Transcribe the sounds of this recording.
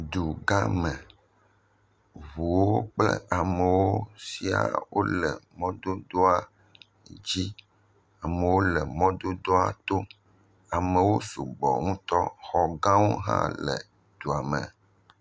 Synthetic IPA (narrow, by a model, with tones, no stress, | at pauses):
d̪u˨ɡa˦mẽ˨ | βu˨wo˦k͡plḛ˦a˨me˨wo˦si˨a̰˨wʔo˦lɛ˨mɔ̃˦d̪o˦d̪o˦a˦˨ | d͡ʑi˦ | a˨me˨wo˦lɛ˨mɔ̃˦d̪o˦d̪o˦a˨t̪o˦ | a˨me˨wo˦su˨ɡ͡bɔ̰˨ŋũ˦t̪ɔ˦xɔ˨ɡã˦wo˦ɦã̰˦lḛ˨ | d̪̥u˨a˨me˨